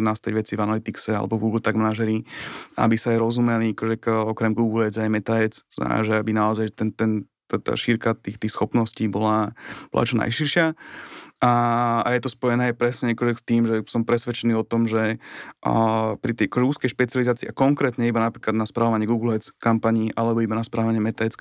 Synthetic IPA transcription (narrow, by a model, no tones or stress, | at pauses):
nast̪ajʋɛt͡sivanalit̪iksɛa̰lɛ̰bɔvɡuːɡl̩ˠt̪aɡmanaʒɛɾia̰bisaːjɾɔzumɛliakɔʒɛkɔkɾɛmɡuːɡl̩ɛd͡zajmɛt̪aɛt͡st̪ɔna̰ʒɛabinaɔzajt̪ɛnt̪ɛn | t̪at̪a̰ːʃiɾkat̪ixt̪iːxsxɔpnɔsciːbɔlabɔ̰la̰t͡ʃɔna̰jʃiɾʃɪa | aa̰jɛt̪ɔspɔjɛnɛːjpɾɛsɲɛakɔʒɛst̪iːmʒɛsɔmpɾɛsʋɛt͡ʃɛniːɔt̪ɔmʒɛ | pɾit̪ɛjʔakɔʒɛuːskɛjʃpɛt͡sializaːt͡siːʔakɔŋkɾɛːt̪ɲɛibanapɾiːklad̪naspɾaːʋɔʋaɲɪɛɡuːɡl̩ɛt͡skampaɲiʔalɛbɔibanaspɾʔaɔʋaɲɪɛmɛt̪aɛt͡s